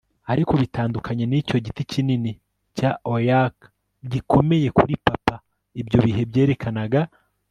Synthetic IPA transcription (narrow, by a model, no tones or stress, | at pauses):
aɾiko̞βitaːndukʰaɲenico̞ɟiticinini | caojak | ɟiko̞me̞je̞kuɾipapa | ibjo̞βiɦe̞bje̞ːɾe̞kʰanaɡa